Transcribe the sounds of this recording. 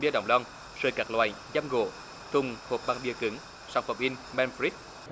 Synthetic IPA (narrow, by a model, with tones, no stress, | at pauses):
ɓi˧əɗə̰˧˩wŋ͡mlɔ˧ŋ | səː˨˩jka˨˩k̚lwa̰ː˧˨j | za˧mɣo̰˧˨ | t̪ʰʊ˨˩ŋ͡mho˨˩p̚ɓaː˧ŋɓi˧əkɨ˨˦ŋ | sa˧˩wŋ͡mfə˨˩wŋ͡mʔi˧nmɛ˧nfɾi˦˥t̚